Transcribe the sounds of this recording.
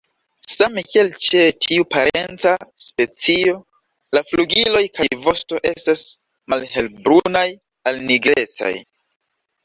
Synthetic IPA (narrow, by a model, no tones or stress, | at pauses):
samekielt͡ʃe̞tʰiupaɾe̞nt͡saspe̞t͡sio̞ | lafluɡilo̞jkajvo̞sto̞ʔe̞̰stas | malhe̞lbɾunaj | alniɡɾe̞t͡sa̰j